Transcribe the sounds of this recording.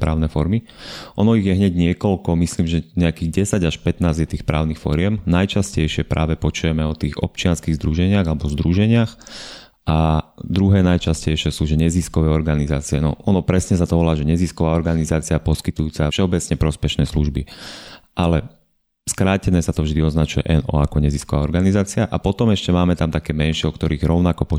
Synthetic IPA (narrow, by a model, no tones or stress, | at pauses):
pɾa̰ːʊnɛːfɔɾmi | ʔɔnɔiɣjɛɦɲɛɟɲɪɛkɔlkɔmisliːmʒɛɲɛakiːɟɛsaɟaʃpɛt̪naːzjɛt̪iːxpɾa̰ːʊniːxfɔɾɪɛmnajt͡ʃascɛjʃɪɛpɾaːʋɛpɔt͡ʃujɛmɛɔt̪iːɣɔ̰pt͡ʃɪanskiːɣzd̪ɾuʒɛɲɪaɣalɛbɔzd̪ɾuʒɛɲɪax | ʔad̪ɾuɦɛːnajt͡ʃascɛjʃɪɛsuːʒɛɲɛziskɔʋɛːɔɾɡanizaːt͡siɛnɔ̰ɔnɔpɾɛsɲɛsat̪ɔʋɔlaːʒɛɲɛziskɔʋaːɔɾɡanizaːt͡siapɔskit̪ujuːt͡safʃɛɔbɛt͡sɲɛpɾɔspɛʃnɛːslṵʒbiʔalɛ | skɾaːcɛnɛːsat̪ɔvʒd̪iɔznat͡ʃujɛ̰ʔɛnɔ̰akɔɲɛziskɔʋaːɔɾɡanizaːt͡siaʔapɔt̪ɔmɛʃcɛmaːmɛt̪amt̪akɛːmɛnʃɪɛɔkt̪ɔɾiːɣɾɔʊnakɔpɔ